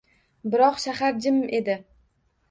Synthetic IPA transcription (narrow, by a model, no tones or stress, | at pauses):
bɪɾɒqʃahaɾd͡ʒɪme̞d̪ɪ